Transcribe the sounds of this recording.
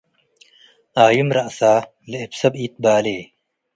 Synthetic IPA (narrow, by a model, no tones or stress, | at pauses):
aːjumɾɐsaː | leepsɐbiːt̪̚baːleː